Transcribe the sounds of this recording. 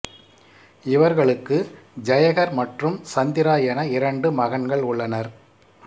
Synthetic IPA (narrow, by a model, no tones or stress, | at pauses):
ɪʋɐɾɣɐɭɯkːɯd͡ʒɐjɐɣɐɾmɐʈrɯmsɐnd̪ɪɾaːjɐnɐɪɾɐɳɖɯmɐɣɐɳɡɐɭʊɭːɐnɐɾ